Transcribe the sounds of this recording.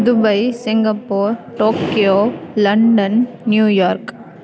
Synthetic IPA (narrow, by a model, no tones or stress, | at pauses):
ðɯbɐɪsɪŋɡɐpːoːɾʈoːkɪjoːlɐɳɖɐnː | juːjaːɾk